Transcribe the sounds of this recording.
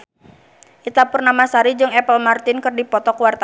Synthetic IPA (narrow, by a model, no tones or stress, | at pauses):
ʔit̪apʊrnamasaɾid͡ʒɨŋɛpəlmart̪ɪnkɨrdipɔt̪ɔkuwart̪a